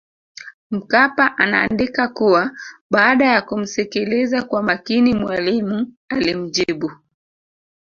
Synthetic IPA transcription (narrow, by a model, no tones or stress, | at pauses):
m̩kapaʔana̰ːndikakuwaɓaːɗajakum̩sɛkɛlɛzakwamakinimwalimu | alim̩d͡ʒiɓu